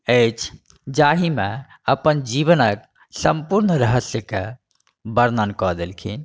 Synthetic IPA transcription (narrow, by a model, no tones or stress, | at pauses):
əɪt͡ʃʰ | d͡ʒaɦime | əpənd͡ʒiβənək̚ | səmpuɾnəɾəɦəsjəke | bəɾnənkɔd̪elkʰḭn